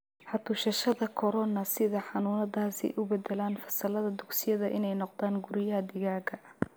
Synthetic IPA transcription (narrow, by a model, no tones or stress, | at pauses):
ħɑt̪ʰʊʃɐʃɐðɐkʰɔɾɔnɐsɪðɐħɑnuːnɐðaːsɛ̰jʔʊbɛd̪ɛlaːnfɐsɐlɐðɐd̪ʊksɪjɐðɐʔɪnɛjnɔqd̪aːnɡʊɾɪjɐɦɐd̪ɪɣaːɡɐ